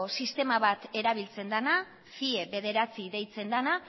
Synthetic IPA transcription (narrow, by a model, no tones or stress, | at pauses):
sist̪e̞maβat̪e̞ɾaβ̞ilt͡se̞nd̪ana | fie̞βe̞ðe̞ɾat͡siðe̞jt͡se̞nd̪ana